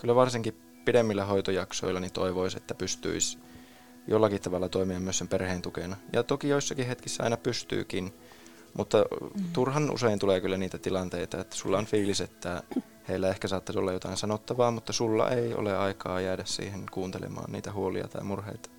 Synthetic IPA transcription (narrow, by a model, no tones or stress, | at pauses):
kylːæʋɑrsiŋki | pidemːilːæɦoit̪ojɑkso̰ilːɑnit̪oiʋoisḛt̪ːæpyst̪y̰is | jʔolːɑkit̪t̪ɑʋɑlːɑt̪oimiɑmyøsemperheːnt̪ukenɑjɑ̰t̪okijoisːɑkihet̪kisːæɑ̰inɑpyst̪y̰ːkin | mʔut̪ːɑt̪urhɑnʔṵseint̪uleːkylːæniːt̪æt̪ilɑnt̪eit̪ɑet̪ːæ̥sulːɑonfiːliset̪ːæ | heilːæehkæsɑːt̪ːɑsolːɑjot̪ɑinsɑnot̪ːɑʋɑːmut̪ːɑsulːɑ̰ʔeio̰leɑikɑːjæːdæssḭːhenkuːnt̪elḛmɑ̰ːnnḭːt̪æhuolḭɑ̰t̪ɑ̰imurhḛit̪ɑ̥